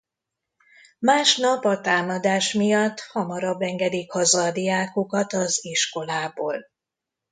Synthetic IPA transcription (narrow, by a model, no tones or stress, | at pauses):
maːʃnɒpɒt̪aːmɒd̪aːʃmijɒt̪ːhɒmɒɾɒbːɛŋɡɛd̪ikhɒzɒd̪iaːkukɒt̪ɒziʃko̞laːboːl